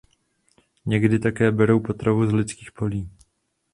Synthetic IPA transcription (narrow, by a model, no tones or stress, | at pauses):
ɲɛɡdɪt̪akɛːbɛɾo̞wpo̞t̪ɾovuzlɪt͡skiːxpo̞liː